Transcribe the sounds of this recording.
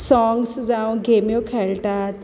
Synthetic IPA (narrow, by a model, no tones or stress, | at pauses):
sɔŋɡsd͡zãw̃ɡemjokʰɛɭʈat̪